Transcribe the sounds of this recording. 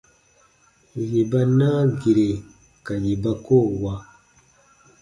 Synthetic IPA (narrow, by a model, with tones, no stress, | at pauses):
ji˨ba˦na˦ɡi˨ɾe˨ | ka˨ji˨ba˦ko˦˨wa˦